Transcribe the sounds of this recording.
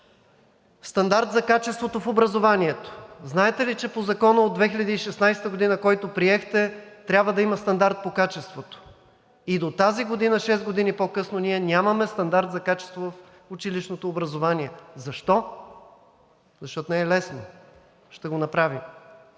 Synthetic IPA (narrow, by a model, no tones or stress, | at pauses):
st̪ɐnd̪aɾt̪zɐkat͡ʃɛst̪vot̪ofobɾɐzovaniɛt̪o̥znaɛt̪ɛlit͡ʃɛpozɐkɔnəod̪vɛxiʎʲɐd̪iːʃɛsnajsɛ̥t̪əɡod̪inəkɔjt̪opɾiɛxt̪ɛt̪ɾʲabvəd̪ɐimɐst̪ɐnd̪aɾt̪̚pokat͡ʃɛst̪vot̪o̥ | id̪ot̪aziɡod̪inəʃɛszɡod̪inipokɤsnoniɛnʲamɐmɛst̪ɐnd̪aɾt̪zɐkat͡ʃɛ̥st̪vovɐf | ʊt͡ʃiliʃnot̪oːbɾɐzovaniɛzɐʃt̪ɔ | zɐʃt̪ɔt̪onɛɛlɛsno | ʃt̪ɛɡonɐpɾavim